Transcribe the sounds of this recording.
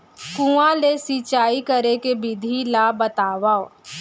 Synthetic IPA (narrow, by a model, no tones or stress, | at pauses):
kũãlesiːt͡ʃaːikəɾekebɪd̪ʱilaːbət̪aːʋao